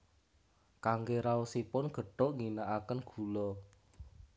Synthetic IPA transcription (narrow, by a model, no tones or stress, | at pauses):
kaŋɡeɾaosipʊnɡ̥ə̤ɖ̥ɔ̤ʔŋinaʔakənɡ̥ṳlɔ